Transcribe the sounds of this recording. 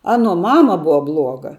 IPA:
ˈɑːnuɔ ˈmɑːmɐ ˈbʊʋɐ ˈblˠuɔɡɐ

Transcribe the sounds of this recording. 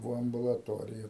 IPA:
ˈʋoː ɐmbʊlˠɐˈtoːrʲɪjɛ

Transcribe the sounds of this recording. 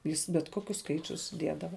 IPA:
ˈjɪs bʲɛt ˈkoːkʲʊs ˈskɐɪt͡ʃʲʊs ˈdʲiɛdɐʋɐ

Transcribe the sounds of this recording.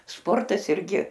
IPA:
ˈspoːrtɐs ɪrʲˈɡʲɪ

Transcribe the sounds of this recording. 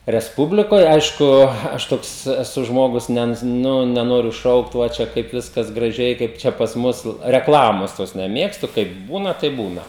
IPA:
rʲɛsˈpʊbʲlʲɪkoːj ˈɐɪʃkʊ ˈɐʃ ˈtoːks ɛˈsʊ ˈʒmoːɡʊs ˈnʲɛ ˈnʊ nʲɛˈnoːrʲʊ ˈʃɐʊkt ˈʋɐ ˈt͡ʃʲɛ ˈkɐɪp ˈʋʲɪskɐs ɡrɐˈʒʲɛɪ ˈkɐɪp ˈt͡ʃʲɛ pɐs ˈmʊs rʲɛkˈlˠɑːmoːs toːs nʲɛˈmʲeːkstʊ kɐɪp ˈbuːnɐ tɐɪp ˈbuːnɐ

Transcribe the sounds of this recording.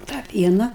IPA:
ˈtɑː ˈpʲiɛnɐ

